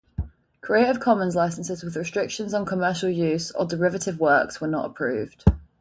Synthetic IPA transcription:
kʰɹ̥ieɪtɪv̥kʰɒmə̃nzlaɪsə̃nsɪzwɪðɹɪstɹ̥ɪkʃə̃nzn̩kʰəmɜˑʃəlˠjʉːzə̰dɪɹɪvətʰɪvwɜˑkswənə̰tə̰pʰɹ̥ʉ̰ːvd̥

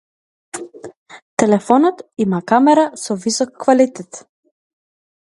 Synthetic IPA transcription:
t̪ɛlɛfɔnɔt̪imakamɛɾasɔvisɔkːvalit̪ɛt̪

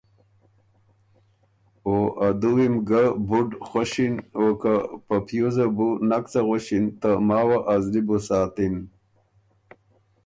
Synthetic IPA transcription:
oʔad̪uwimɡabuɖxaɕinokapapʰjozabunakt͡saɣaɕint̪əmaːwaʔazlibusaːt̪in

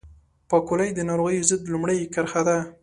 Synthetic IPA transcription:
pakolajd̪ənɑɾoɣəjozəd̪lumɽajkəɾxad̪a

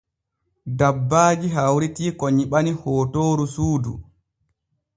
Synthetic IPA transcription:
dabːaːd͡ʒiɦawɾitiːkoɲiɓanihoːtoːɾusuːdṵ

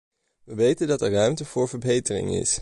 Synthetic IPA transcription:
ʋəʋejtəndɑtɛɹrœɥmtəv̥ʊːɹvəɹbejtərɪ̰ŋɪ̰s

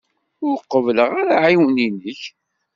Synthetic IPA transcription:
ʊɾqːəvləʁaɾaʕiwninəç

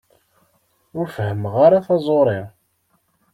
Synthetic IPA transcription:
ʊɾfhəmʁaɾaθɑzˤoɾˤɪ

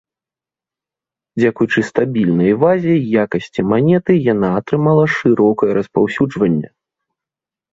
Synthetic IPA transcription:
d͡zʲakujut͡ʂɨst̪abʲilʲnɐjvazʲejjakɐsʲt͡sʲimanʲɛt̪ɨjan̪aːt̪ɾɨmalˠɐʂɨɾɔkɐjɐɾɐspawsʲud͡ʐvɐnʲːɐ̰

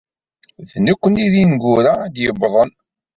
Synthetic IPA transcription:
ðnækʷːəniðinɡʊɾad̪jəbðˤən

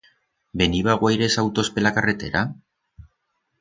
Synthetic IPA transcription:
be̞niβaɣwajɾe̞sawt̪o̞spe̞lakare̞t̪e̞̰ɾa

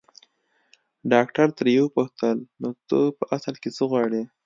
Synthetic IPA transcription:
ɖɑkʈaɾt̪əɾjewəpuxt̪əlnot̪əpəʔasəlket͡səɣwɑɽe

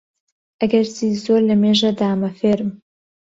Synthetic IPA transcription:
ʔɐɡɐɾziːzoɾlɐmeːʒɐd̪aːmɐfeːɾɨm

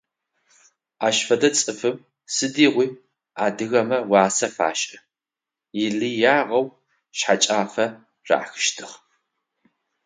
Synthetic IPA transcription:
aːʃfɐdɐt͡sʼɨfɨm | sɨdiːʁʷiː | aːdɨɣɐmɐwɑːsɐfa̰ːʃʼɐ | jɪɮiːjaːʁɐw | ɕħat͡ʃʼaːfɐ | ra̰xɨ̥ʃtʰɨχ

